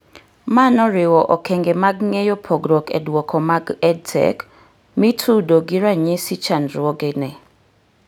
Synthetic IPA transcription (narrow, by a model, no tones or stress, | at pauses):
manɔɾɪwɔʔɔkʰɛŋɡɛmaɡŋejɔpʰɔɡɾɔkɛ̰dwɔkʰɔmaɡɛd̚tʰɛ̰k | mitʰudoɡiɾaɲɛsit͡ʃanɾwɔɡɛnɛ